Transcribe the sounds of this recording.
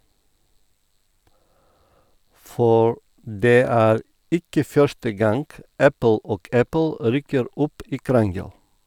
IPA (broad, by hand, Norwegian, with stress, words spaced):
ˈfɔɾ ˈdeː ˈæːɾ ˈɪkə ˈfœʃtə ˈɡɑŋɡ ˈæpl̩ ˈoːɡ ˈæpl̩ ˈɾyːkəɾ ˈɔp ˈiː ˈkɾɑŋɡəl